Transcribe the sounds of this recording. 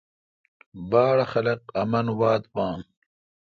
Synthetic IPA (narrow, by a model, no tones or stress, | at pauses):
baːɽɐxɐlɐqɐmɐnwaːt̪̚pãːŋ